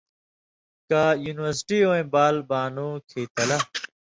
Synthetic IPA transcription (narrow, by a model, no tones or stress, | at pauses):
kajuːniwɐɾsʈiːõːẽbaːlbaːnũːkʰeːt̪ɐlɐ